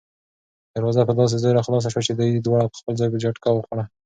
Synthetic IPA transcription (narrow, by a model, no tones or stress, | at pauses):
d̪̥əɾwɑzapəd̪ɑs̬ezɑjɾaxlɑs̬aʃwat͡ʃed̪ujd̪wɑɽapə̥xpəlzɑjked͡ʒaʈkawəxaɽa